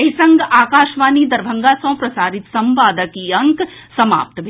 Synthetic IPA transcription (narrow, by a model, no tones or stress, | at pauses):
ɐɦisɐ̃ŋɡaːkaːʃʋaːnid̪ɐɾbʱɐ̃ŋɡasõːpɾɐsaːɾɪt̪sɐmʋaːd̪əkiɐ̃ŋksɐma̰ːp̚t̪bʱ